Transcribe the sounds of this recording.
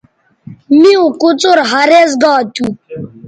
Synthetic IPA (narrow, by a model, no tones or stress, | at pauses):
miũkut͡soɾɦaɾez̬ɡaːt̪u